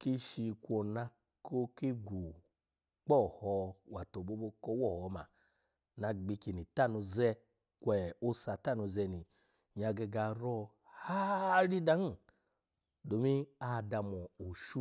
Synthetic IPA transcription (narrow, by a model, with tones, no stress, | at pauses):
ki˦ʃi˧kʷɔ˧na˧ | ko˦ki˦ɡʷu˨ | k͡pɔ˦˨hɔ˧wa˨to˨bo˧˦bo˧˦kɔ˧˦wɔ˦˨hɔ˨˦ma˨ | na˧ɡ͡bi˧ki˧˨ni˨ta˦˨nu˧zɛ˧˦ | kʷwɛ˨o˦sa˧ta˦˨nu˧zɛ˧ni˨ | ɲa˧ɡɛ˧ɡa˧ɾɔ˧ | ha˦ɾi˦da˧˦n˦˨ | do˨˦mi˦a˦˨da˧mɔ˨o˨ʃu˦